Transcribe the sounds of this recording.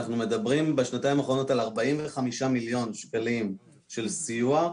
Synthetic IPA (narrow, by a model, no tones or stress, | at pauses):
χnume̞dabʁimbeʃnataimaχʁo̞no̞talaʁbaimveχamiʃamiljo̞nʃkalim | ʃe̞lsijua